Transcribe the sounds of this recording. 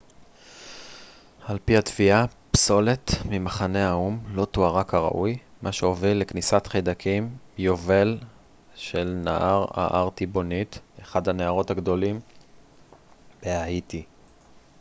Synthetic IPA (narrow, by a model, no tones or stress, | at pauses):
halpihat̪v̥ia | pso̞le̞t̪mimaχane̞aumlo̞toaʁakaʁa̰ʔujmaʃeo̞vilːeknisat̪χejd̪akʰimjo̞ve̞l | ʃelnaʔaʁa̰ʔaʁt̪ibo̞nit̪eχadhaneaʁo̞thaɡd̪o̞lim | b̥eaiti